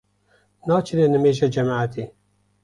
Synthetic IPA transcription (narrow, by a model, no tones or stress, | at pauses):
nɑːt͡ʃʰinenəmeːʒɛd͡ʒɛmaːʕat̪eː